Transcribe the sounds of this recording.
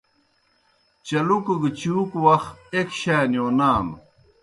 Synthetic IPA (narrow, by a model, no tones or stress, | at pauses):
t͡ɕɐlukɐɡit͡ɕuːkwɐxekɕaːnjoːnaːm